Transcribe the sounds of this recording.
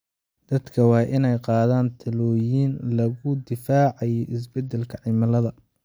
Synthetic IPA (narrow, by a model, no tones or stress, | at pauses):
d̪̥ɐd̪kʰɐwɑːʔɪnɛjqɑːðaːnt̪ʰɐlɔːjiːnlɐɣʊd̪ɪfaːʕɑjɛʔɪs̬bɛd̪ɛlkʰɐʕɪmɐlɐðɐ